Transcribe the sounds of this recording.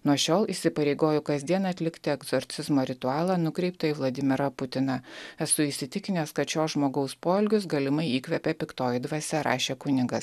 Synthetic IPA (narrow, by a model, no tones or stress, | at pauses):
nuɔʃʲoːlˠiːsʲɪpɐɾʲɛɪɡoːjʊkɐzʲd̪ʲiɛnɐːt̪ʲlʲɪkt̪ʲɪɛɡzɔɾʲt̪sʲɪzmoːɾʲɪt̪ʊɑːlˠɑːnʊkɾʲɛɪpt̪oɪʋlˠɐd̪ʲɪmʲɪɾɐpʊt̪ʲɪnɐɛsʊisʲɪt̪ʲɪkʲɪnʲeːskɐt̪t͡ʃoːsʒmoːɡɐʊspoːɪlʲɡʲʊs̬ɡɐlʲɪmɐɪiːkʋʲɛpʲɛpʲɪkt̪oːjɪd̪ʋɐsʲɛɾɑ̰ːʃʲeːkʊnʲɪɡɐs